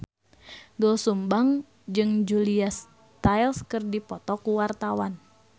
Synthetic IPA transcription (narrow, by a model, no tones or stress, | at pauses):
ɡɔsumbaŋ | d͡ʒɨŋd͡ʒulias | t̪ajlskɨrdipɔt̪ɔkuwart̪awan